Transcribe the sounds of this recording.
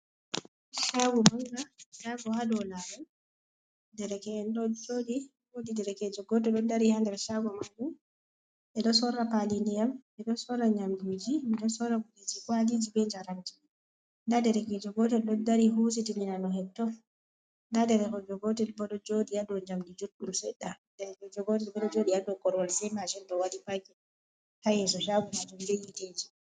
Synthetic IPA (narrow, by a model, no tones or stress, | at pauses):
ʃawɔmaŋɡaʃaɡɔhadɔlaɾɔn | dɛɾɛkɛɛnɗɔd͡ʒodi | wodidɛɾɛkɛd͡ʒɔɡɔtɛɗɔdaɾihandɛɾʃawɔmaŋɡum | ʔɛɗɔsɔɾapalindijamɛɗɔsɔraɲamdud͡ʒimɛɗɔsɔɾabulid͡ʒikwalid͡ʒibɛɲd͡ʒaɾamd͡ʒi̥ | ndadɛɾɛkɛd͡ʒɔɡɔtɛlɗɔdaɾiɦus̬itiminanɔɦɛb̚tɔ | ndadɛɾɛkɔd͡ʒɔɡɔtɛlbɔɗɔd͡ʒodijadɔɲd͡ʒamdid͡ʒoɗːumsɛɗːa | dɛɛkɔd͡ʒɔɡɔt̬ɛlbɔɗɔd͡ʒodiadɔkɔɾwalsɛmaʃinɗɔwalipakɛ | hajɛs̬ɔʃaɡud͡ʒidulejited͡ʒi̥